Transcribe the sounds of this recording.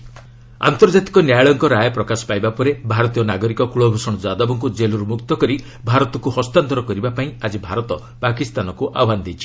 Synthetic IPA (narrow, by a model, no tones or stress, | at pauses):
a̰nt̪ɔɾd͡ʒat̪i̥kɔnjajɭɔŋkɔɾajɔpɾɔkasɔ̥pajbapɔɾebʱaɾɔt̪ijɔnaɡɔɾikɔkuɭɔbʱusɔɽ̃ɔd͡ʒad̪ɔbɔŋkud͡ʒelɔɾumukt̪ɔkɔɾi | bʱaɾɔt̪ɔkuhɔst̪ant̪ɔɾɔkɔɾibapaĩad͡ʒibʱaɾɔt̪ɔ | pakist̪anɔkuʔa̰and̪ejt͡ʃʰi̥